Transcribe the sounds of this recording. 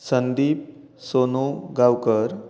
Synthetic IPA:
sənd̪iːp̚ | sonuɡawkəɾ

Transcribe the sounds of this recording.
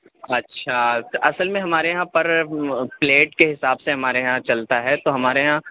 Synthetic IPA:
ɐtːʃʰaʔɐsəlmẽɦɐmaːɾeɦãpɐɾpleːʈkeɦɪsaːbseɦɐmaːɾeɦãt͡ʃɐlt̪aɦɛt̪oɦɐmaːɾeɦã

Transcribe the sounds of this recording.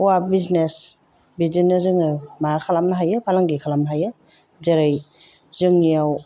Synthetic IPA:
wabiznes | bizinːɯzɯŋɯmaɾkʰalamnaɦajɯpʰalaŋɡikʰalamnaɦajɯ | zeɾɯj | zɯŋijaw

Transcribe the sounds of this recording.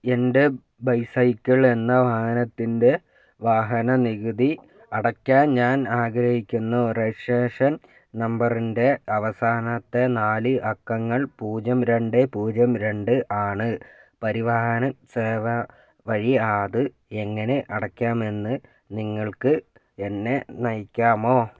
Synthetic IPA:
ende | bɐjsɐjkʲːɐɭe̞nːɐʋaːhɐnɐt̪ːinde̞ | ʋaːɦɐnɐniɣɨd̪i | ɐɽɐkʲːaːnɲaːnaːɡɾɐhikʲːunːureʂeːʂɐn | nɐmbɐrinde̞ɐʋɐsaːnɐt̪ːe̞naːlɨʔɐkːɐŋːɐɭpuːd͡ʑɐmɾe̞ɳɖepuːd͡ʑɐmɾe̞ɳɖɨʔaːɳɨpɐɾiʋaːɦɐnɐseːʋɐ | ʋɐɻiaːðɨ | e̞ŋːɐne̞ʔɐɽɐkʲːaːme̞nːɨ | niŋːɐɭkɨ | e̞nːe̞nɐjkʲːaːmo̞ː

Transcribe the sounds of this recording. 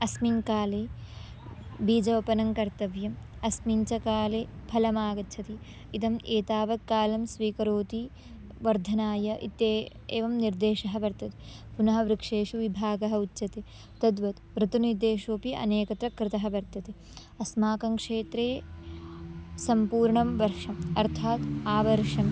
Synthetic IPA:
ɐsminkaːleː | biːd͡ʒɐʋɐpɐnɐŋkɐɾt̪ɐʋjɐmɐsmiɲt͡ʃɐkaːleːpʰɐlɐmaːɡɐt͡ʃʰɐt̪i | it̪ɐmeːt̪aːʋɐkːaːlɐmsʋiːkɐɾoːt̪i | ʋɐɾd̪ʱɐnaːjɐʔḭt̪ːeː | eːʋɐmniɾd̪eːʃɐɦɐʋɐɾt̪ɐt̪epunɐɦɐʋɾikʂeːʂuʋibʱaːɡɐɦɐutːt͡ʃɐt̪e | t̪ɐd̪ʋɐt̪ʋɾɨt̪uniɾd̪eːʂoːpiʔɐ̰neːkɐt̪ɾɐkɾɪt̪ɐɦɐʋɐɾt̪ɐt̪e | ɐsmaːkɐŋkʂeːt̪ɾeː | sɐmpuːɾɳɐmʋɐɾʂɐmɐɾt̪ʰaːt̪aːʋɐɾʂɐm

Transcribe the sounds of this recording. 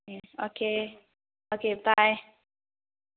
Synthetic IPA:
eokʰe | okebaɪ

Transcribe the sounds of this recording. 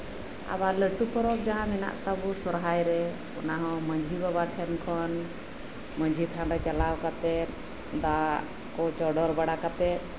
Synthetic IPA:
a̰βaləʈupɔɾɔk̚d͡ʒaɦãmɛna̰ʔt̪abusɔɾɦajɾɛ | ɔ̰naɦɔ̃məɲd͡ʒʱibabaʈʰɛnkʰɔn | məɲd͡ʒʱit̪ʰanɾɛt͡ʃalawkat̪ɛt̪̚ | d̪a | kɔt͡ʃɔɖɔɾbaɽakat̪ɛt̪̚

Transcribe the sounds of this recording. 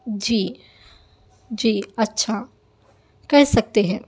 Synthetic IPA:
d͡ʒiː | d͡ʒiːɐtːʃʰa | kɛɦsɐk̚t̪eɦɛ̃ː

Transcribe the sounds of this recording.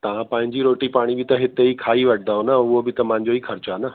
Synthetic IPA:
t̪ɐʋ̤ãpɐ̃ɦɪ̃ɲd͡ʑiɾoːʈipaːɽ̃ibɪt̪ɐɦɪt̪eikʰaːiʋɐʈʰɪ̃nd̪aːɦonɐʊɦobɪt̪ɐmãɦɪ̃ɲ̆d͡ʑoiːxʰɐɾt͡ɕanɐ

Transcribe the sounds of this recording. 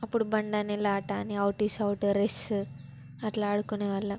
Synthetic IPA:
ɐpːuɽubɐɳɖanilːɐːʈaːniɐwʈisɐwʈuɾes | ɐt̪lɐaːɽukoneʋɐlːɐ

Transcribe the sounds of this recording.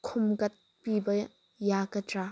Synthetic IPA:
kʰʊmɡɐt̪̚ | pibɐ | jakɐta

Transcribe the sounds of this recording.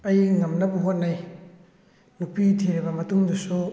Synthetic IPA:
ɐjŋɐmnɐbuɦot̚naj | nupitʰiɾibɐmɐtuŋdusu

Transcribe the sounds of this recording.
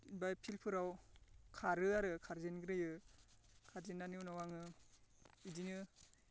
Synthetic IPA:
ibajpʰilpʰɯɾawkʰaɾɯaɾɯkʰaɾzenɡɾɯjɯ | kʰaɾzenːanɯwnawaŋɯ | idinɯ

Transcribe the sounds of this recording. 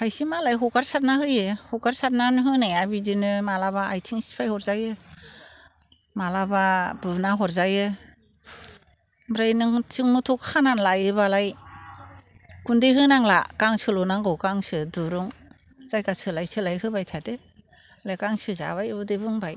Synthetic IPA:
hajsimalajɦɔkaɾsat̚naɦɯjɯhɔkaɾsat̚nanɦɯnajabidinɯmalabaajtʰiŋsi̥pʰajhɔɾzajɯ | malabab̥ɯnaɦɔɾzajɯ | bɾajnɯŋt͡ʃɯŋmutʰɔkʰananlajɯbalaj | kundeɦɯnaŋla̰kaŋsɯlɔnaŋɡɔkaŋsɯduɾuŋzajkasɯlajsɯlajhɯbajtʰade | lajkaŋsɯza̰βajdebɯŋbaj

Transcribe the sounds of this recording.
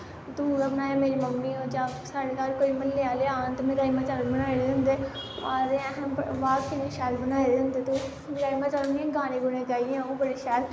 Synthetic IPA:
t̪uːabənaːjaːmeːɾiːməmːiːoːd͡ʒaːsaːɽeːsaːɾkoːiːməlleːaːleːaːnt̪emẽːɾaːimãːt͡ʃalbənaːileːɦʊ̃nd̪eːaːɾeːɛ̃ɦʋaːkinẽːʃɛːlbənaːid̪eɦʊ̃nd̪eːt̪u | mːɾaːimaːt͡ʃəlniɛ̃ːɡaːnẽːɡʊnẽːɡaːiãõːbəɽeːʃɛːɾ

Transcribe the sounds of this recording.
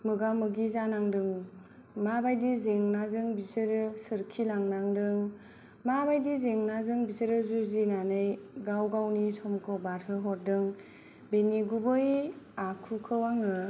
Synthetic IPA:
mɯɡamɯɡizanaŋdɯŋ | mabajdizeŋnazɯŋbizɯɾɯsɯɾkʰilaŋnaŋdɯŋ | mabajdizeŋnazɯŋbizɯɾɯzuzinanɯjɡawɡawnisʰɔmkʰɔbaɾhɯɦɔɾ̚dɯŋ | beniɡubɯjakʰukʰɯwaŋɯ

